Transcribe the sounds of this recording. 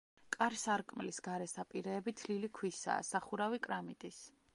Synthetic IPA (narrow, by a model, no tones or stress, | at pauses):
kʼaɾsaɾkʼmlisɡaɾɛsapʼiɾɛːbit̪ʰlilikʰwisa̰ːsaχuɾavikʼɾamit̪ʼis